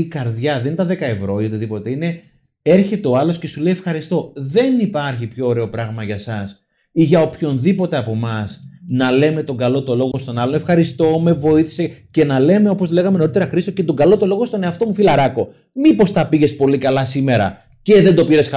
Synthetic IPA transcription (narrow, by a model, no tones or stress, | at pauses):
ikɐɾðʝɐðenint̪ɐðekɐevɾo̞iot̪iðipo̞t̪e̞ine̞ | e̞ɾçe̞t̪e̞o̞ɐlo̞sce̞sule̞jefxɐɾist̪o̞ðe̞nipɐɾçipço̞ːɾe̞o̞pɾɐɣmɐʝɐsɐs | iʝɐo̞pço̞nðipo̞t̪e̞ɐpo̞mɐsnɐle̞me̞t̪o̞ŋɡɐlo̞t̪o̞lo̞ɣo̞st̪o̞nɐlone̞fxɐɾist̪o̞me̞vo̞iθi̥sece̞nɐle̞me̞o̞posle̞ɣɐme̞no̞ɾit̪e̞ɾɐxɾisocet̪o̞ɡɐlo̞t̪o̞lo̞ɣost̪one̞ɐft̪o̞mufilɐɾɐko̞ | mipo̞st̪ɐpiʝe̞spo̞likɐlɐsime̞ɾɐ̰ | ceðe̞nd̪o̞piɾe̞sxɐ